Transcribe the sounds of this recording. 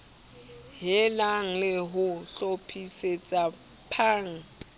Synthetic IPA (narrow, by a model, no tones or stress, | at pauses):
ɦɪlaŋ̩lɪɦʊɬopʰiset͡sʼapʰaːŋ̩